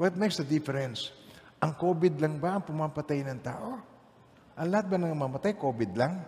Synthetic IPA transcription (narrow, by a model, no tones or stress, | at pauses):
wɐt̪̚mɛjksd̪ɐd̪ɪfɛɾɛns | ʔɐŋkoːbɪd̪̚lɐŋbɐʔɐŋpʊmapɐt̪ajnɐŋt̪a̰ːʔo̞ | ʔɐŋlɐhat̪̚bɐnɐŋmamɐt̪ajko̞ːbɪd̪laŋ